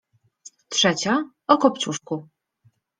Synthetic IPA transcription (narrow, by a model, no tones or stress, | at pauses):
tʂɛt͡ɕa | ɔkɔpt̪suʂku